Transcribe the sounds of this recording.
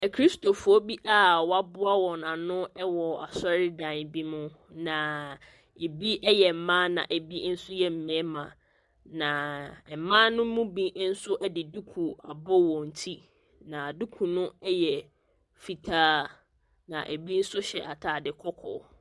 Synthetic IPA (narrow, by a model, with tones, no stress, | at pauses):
kʰɾi˦sto˨fʊ˨ɔ˦bi˦ʔa˦˨wɔ˨˦a˦bʊ˦a˦wɔ̃˨nã˨nʊ̃˦ɛ˦wɔ˨a˨sɔ˦ɾɪ˦dã˨n˨bi˦mʊ̃˦ | nã˨ | e˨bi˦ɛ˦jɛ˨m̩˨mã˦nã̰˨ʔe˨bi˦n̩˦sʊ˦jɛ˨m̩˨mɛ̃˨˦mã˨ | nã˨mãː˦nʊ̃˦mũ˦bĩ˦n̩˦sʊ˦ʔɛ˦dɪ˨du˦kʰu˨a˨bɔ˦wɔ̃˨n̩˨tʰi˦ | nã˨du˦kʰu˨nʊ̃˦ɛ˦jɛ˨ | fi˨tʰaː˦ | nã̰˨ʔe˨bi˦n̩˦sʊ˦ɕɛ˨ʔa˨tʰa˨dɪ˨kʰɔ˦kʰɔ̰˨˦˨